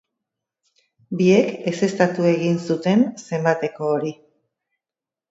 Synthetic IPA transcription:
bie̞ke̞se̞st̪at̪ue̞ɣinsut̪e̞nse̞mbat̪e̞ko̞ːɾi

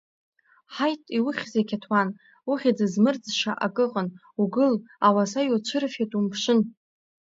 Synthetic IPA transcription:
ħajtʼiwʊχʲzekʲʰatʰwan | uχʲad͡zɨzmɨrd͡zʃaʔakʼɨqʼən | uɡɨl | awasajot͡ɕʷʰɨrfatʼumpʰʂɨn

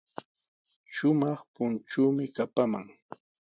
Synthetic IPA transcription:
ʃʊmɑχpʊnt͡ʃuːmɪkapama̰ŋ

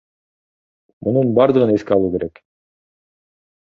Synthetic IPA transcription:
mʔununbɑɾd̪ɯʁɯne̞skeɑlˠuːke̞ɾe̞k

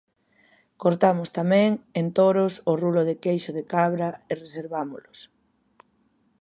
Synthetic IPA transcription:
koɾt̪amʊst̪amɛ̃ŋent̪oɾʊsʊruloðekejʃʊðekaβɾɐereseɾβamʊlʊs

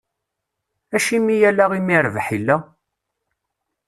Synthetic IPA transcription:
æʃimijælæʁimiɾvħilːæ

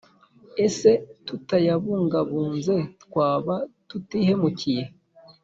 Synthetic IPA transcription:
ese̞tutajaβuːŋɡaβuːnze̞tkwaːβatutiːɦe̞mucije

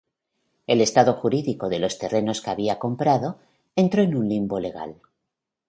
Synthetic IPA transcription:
e̞le̞st̪aðo̞xuɾiðiko̞ðe̞lo̞st̪e̞re̞no̞skeaβiako̞mpɾaðo̞ | ent̪ɾo̞enunlimbole̞ɣ̞a̰l

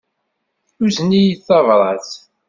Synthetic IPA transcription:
θuznijiθɑvɾˤɑθ

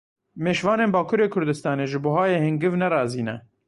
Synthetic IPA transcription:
meːʃvɑːneːnbaːkʰuːɾeːkʰʊɾd̪ɨst̪ɑːneːʒɨboːhaːjeːhɪŋɡɨvnɛɾɑːziːnɛ

